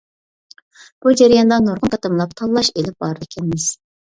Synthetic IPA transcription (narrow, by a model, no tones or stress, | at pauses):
b̥ud͡ʒæɾijɑnd̪ɑnoɾʁʊnqʰɑt̪ʰɑmlˠɑp̚t̪ʰɑlˠlːˠɑʃelɪp̚bɑɾd̪ɪkʲʰɛnɪmɪz̥